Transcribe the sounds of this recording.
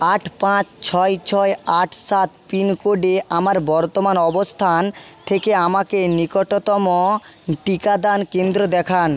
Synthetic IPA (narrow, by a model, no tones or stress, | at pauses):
aʈʰpãt͡ɕt͡ɕʰɔjt͡ɕʰɔeaʈʰsat̪pinkoɖeʔamaɾbɔɾt̪omanɔbost̪ʰant̪ʰekeamakenikoʈot̪ɔmoʈikad̪ankend̪ɾod̪ɛkʰan